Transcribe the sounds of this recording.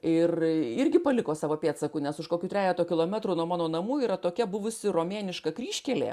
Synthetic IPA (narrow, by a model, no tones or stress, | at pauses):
ɪrɪrʲɡʲɪpɐlʲɪkoːsɑːʋoːpʲeːt̪sɐkuːnʲɛsʊʃkoːkʲuːt̪ɾʲæːjʲæːt̪oːkʲɪlˠoːmʲæt̪ɾuːnuɔmɑːnoːnɐmuːiːɾɐt̪oːkʲɛbʊʋʊsʲɪroːmʲeːnʲɪʃkɐkrʲiːʃʲkʲɛlʲḛː